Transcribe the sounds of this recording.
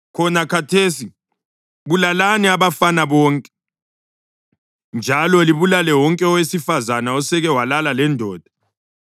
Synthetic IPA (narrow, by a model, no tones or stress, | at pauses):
kʰɔnakʰatʰeːsi | βulalanɛaβafanaβɔːŋkʼɛ̥ | nd͡ʒʱalɔliβulalɛwɔŋkʼɛɔwesifazanaɔsɛɣɛwalalalɛndʱɔːd̥ʱḁ